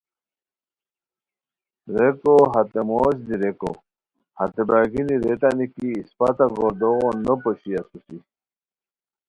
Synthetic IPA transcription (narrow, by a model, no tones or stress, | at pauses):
ɾekoɦat̪emoːɕ̬d̪iɾeko̰ | hat̪ebaːɡiniɾet̪anikiːspat̪aɡoɾd̪oɣonːopoɕiɐsusi